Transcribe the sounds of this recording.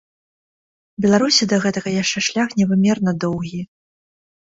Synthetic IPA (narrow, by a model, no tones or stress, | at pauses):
bʲɛlˠaɾusʲid̪ɐɣɛt̪ɐɣɐjaʂt͡ʂɛʂlʲaxnʲɛvɨmʲɛrnɐd̪ɔwɣʲi